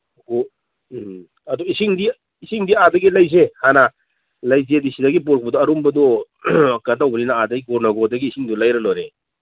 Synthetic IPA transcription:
ɡo | ɐdɔisiŋdi | isiŋdiadɐɡilajzehana | lajzedisidɐɡipuɾkʰbɐdɔɐɾumbɐdɔ | katawbɐninaadɐɡiɡɔɾnaɡɔdɐɡiːsiŋdulajɾɐloɾe

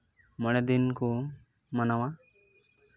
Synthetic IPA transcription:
məɽ̃ɛd̪inko | mənawa

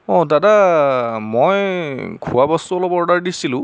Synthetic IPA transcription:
ɔ̃dada | mɔjkʰuwabɔstuɔlɔbɔɹdaɹdisilʊ̃

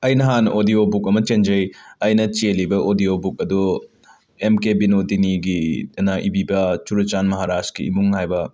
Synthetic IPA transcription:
ɐjnɐɦanodiobukɐmɐt͡ʃend͡ʒɐjɐjnɐt͡ʃelibɐʔodiobuk̚ɐdu | emkebinodiniɡinaʔḭbibɐt͡ʃuɾut͡ʃanmɐɦaɾaskḭḭmuŋhajbɐ

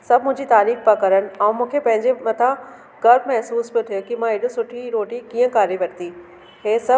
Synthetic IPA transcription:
sɐbʱmʊ̃ɦɪ̃ɲd͡ʑit̪aːɾiːxpɐkɐɾənɪ̆ɛ̃ũmũːkʰepɐ̃ɦɪ̃ɲd͡ʑemɐt̪ʰã | ɡɐɾbmɛɦsuːsbɪt̪ʰijokimãɪɗʊsʊʈʰiɾoːʈikiːə̃kaːɾiʋɐɽt̪i | ɦeːsɐ

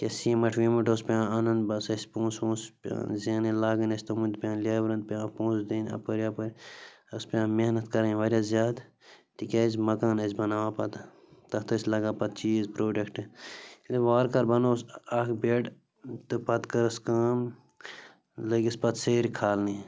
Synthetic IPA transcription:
kʲesĩmɐʈʰʋĩːmiʈospʲãːɐnɐnbɐsɐsʲpõːnsõːspːzenilaːɡɐnɐsʲt̪ɐmund̪̚pʲãːnlʲeːbɾɐnd̪̚pãːpõːsd̪iːnɐ̰pɐɾiɐpɐɾʲ | ɐspʲãːmehnɐt̪kɐɾɐ̃ʋɐɾʲjazʲjaːd̪ | t̪ikʲaːzmɐkaːnɐzʲbɐnaːʋaːpɐt̪ | t̪ɐt̪ɐsʲlɐɡaːpɐt̪̚t͡ʃiːzpɾoːɖɐkʈleʋaːɾkɐɾbɐnoːsɐkbeːʈ | t̪ɨpɐt̪kɐɾɐskaːm | lɐɡispɐt̪seːɾkʰaːlni

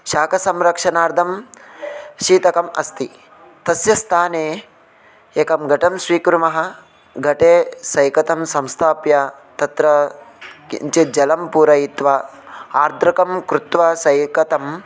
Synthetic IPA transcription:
ʃaːkɐsɐmɾɐkʂɐnaːɾd̪ʰʱɐm | ʃiːt̪ɐkɐmɐ̰st̪i | t̪ɐsjɐst̪ʰaːneː | eːkɐmɡɐʈɐmsʋiːkɾumɐɦɐ̆ | ɡɐʈeːsɐjkɐt̪ɐmsɐmst̪ʰaːpjɐ | t̪ɐt̪ɾɐ | kḭnt͡ʃid͡ʒɐlɐmpuːɾɐjit̪ʋɐaːɾd̪ɾɐkɐmkɾut̪ʋɐsɐjkɐt̪ɐm

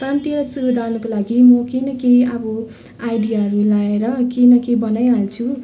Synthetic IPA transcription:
t̪ʌɾʌmt̪ielasubed̪ʱawnʌkolaɡimʌkejnʌkejʌbʌ | ajɖijaɦʌɾulaeɾʌkejnʌkejbʌnajɦalt͡sʰu

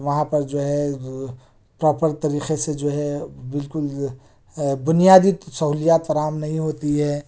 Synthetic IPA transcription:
ʋɐɦãpɐɾd͡ʒoːɦɛ | pɾɔːpəɾt̪ɐɾiːqesed͡ʒoːɦɛbɪlkʊl | bʊnijaːd̪isɐɦuːlijaːt̪fɐɾaːmnɐɦĩɦoːt̪iɦɛː

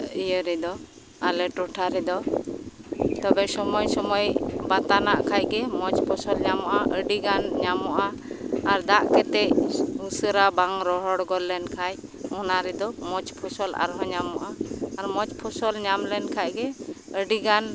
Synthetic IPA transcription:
ijəɾid̪ɔ | alɛʈɔʈʰaɾɛd̪ɔ | t̪ɔbɛsɔmɔjsɔmɔjbat̪anaʔkʰajc̚ɡɛmɔt͡ʃpʰɔsɔlɲamɔʔaʔəɖiɡanɲamɔʔa | aɾd̪aʔkɛt̪ɛcusəɾabaŋɾɔɦɔɽɡɔlːɛnkʰaj | ɔnaɾɛd̪ɔmɔt͡ʃpʰɔsɔla̰ɾɦɔɲamɔʔaaɾmɔt͡ʃpʰɔsɔlɲamlɛnkʰac̚ɡɛəɖiɡan

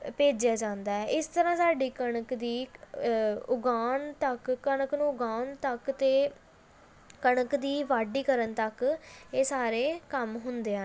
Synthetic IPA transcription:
peːd͡ʒjaːd͡ʒãːnd̪aːɛːʔɪst̪əɾãːsaːɖiːkəɳəkd̪iː | ʊɡaːnt̪əkːəɳəknũːʊɡaːnt̪əkt̪eː | kəɳəkd̪iːʋaːɖiːkəɾənt̪əkeːsaːɾeːkəmɦʊnd̪eːɦã

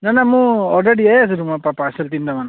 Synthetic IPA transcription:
nanamũɔlɾeɽieas̬ɯɾumapapasɛlt̪̬ind̪aman

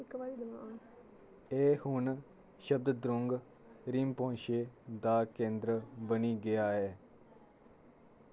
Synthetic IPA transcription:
ɪkːʋaːd̪id̪ʋãːn | eːhʊn | ʃəb̚d̪d̪ɾʊŋɡ | ɾiːmpːʃeːd̪aːkẽːnd̪ɾəbəniːɡɪjaːɦɛː

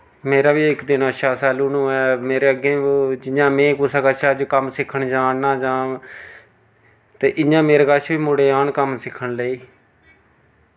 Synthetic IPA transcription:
meːɾaːʋiːɪkd̪ɪnəʃaːsaːlũːnũːɛːmeːɾeːəɡẽːd͡ʒɪɲãːmẽːkusaːkəʃad͡ʒkəmsɪkʰːəɳd͡ʒaːnnaːd͡ʒãː | t̪eːʔɪɲãːmeːɾeːkəʃʰʋiːmʊɽeːaːnkəmsɪkʰːəɳləiː

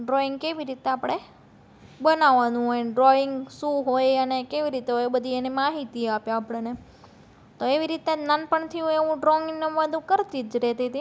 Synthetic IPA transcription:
ɖɾoiŋɡ̚keʋiɾit̪eapɽ̃e | bənaʋanũɦojɖɾoɪŋɡsũɦojənekeʋiɾit̪eɦojbəd̪ʱienimaɦit̪iapjãapəɽ̃ene | t̪oeʋiɾit̪ad͡ʒnanpəɳt̪ʰijũeʋũɖɾɔŋɡneʋad̪ʱũkəɾt̪id͡ʒɾet̪it̪i

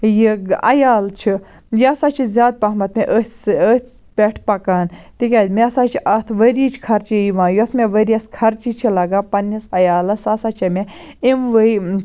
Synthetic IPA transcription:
jiɡɐ̰jaːlt͡ʃʰi | jiɐsaːt͡ʃʰizʲaːd̪̚pɐɦmɐt̪meʔəət̪ | pʲeʈʰpɐkaːnt̪ikʲaːd̪meɐsaːt͡ʃʰiʔɐt̪ʰʋəɾit͡ʃʰi̥kʰɐɾt͡ʃiiʋãːjusmẽʋəɾiɐskʰɐɾt͡ʃit͡ʃʰilɐɡaːpɐnisɐjaːlɐsɐsaːt͡ʃʰɐmʲe | imʋə

